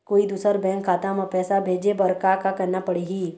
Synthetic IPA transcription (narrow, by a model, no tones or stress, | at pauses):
koːid̪uːsəɾbɛ̃ːŋkʰːaːt̪amapɛːsabʱeːd͡ʒebɐɾkakakɐɾnapɐɽiɦiː